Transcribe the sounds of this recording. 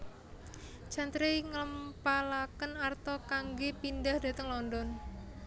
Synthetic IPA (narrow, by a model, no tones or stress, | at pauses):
t͡ʃant̪ɾeŋələmpalakənart̪ɔkaŋɡepindahd̥a̤t̪əŋlɔndɔn